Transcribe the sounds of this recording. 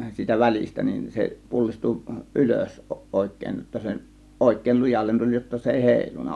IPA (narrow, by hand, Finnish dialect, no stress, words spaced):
siːtæ ʋælistæ nin se pulːistu ʔyløs oˑe̝kˑeˑĭn jotːɑ se ʔoˑe̝kˑeˑĭl lujɑlːen tulʲ jotːɑ se eˑi heˑilunˑɑ